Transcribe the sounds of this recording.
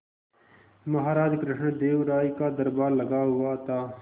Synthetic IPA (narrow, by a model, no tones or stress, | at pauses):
mɐɦaːɾaːd͡ʒkɾɪʂɳd̪eːwɾaːikaːd̪ɐɾbaːɾlɐɡaːɦuwaːt̪aː